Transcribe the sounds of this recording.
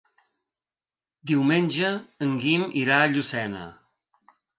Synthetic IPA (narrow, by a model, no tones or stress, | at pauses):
d̪iwmenʲʒəəŋɡimʔiɾaəʎusɛnə̰